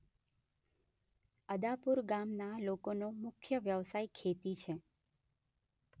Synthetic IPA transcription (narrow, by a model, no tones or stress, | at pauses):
əd̪apuɾɡamnalokonomʊkʰjəʋjəʋsaikʰet̪it͡ʃʰe